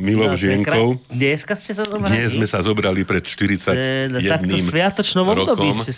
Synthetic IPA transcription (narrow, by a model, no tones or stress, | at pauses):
milɔʒɪɛŋkɔʊɲɛskascɛsazɔbd̪ɲɛzzmɛsazɔbɾalipɾɛt̪ʃt̪iɾit͡sacjɛakd̪nimsʋɪat̪ɔt͡ʃnɔmɔɾɔd̪ɔkɔimɛ